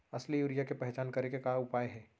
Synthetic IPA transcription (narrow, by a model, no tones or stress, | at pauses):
ɐslijuːɾijakepɛɦt͡ʃaːnkɐɾekekaʊpaːjɦɛː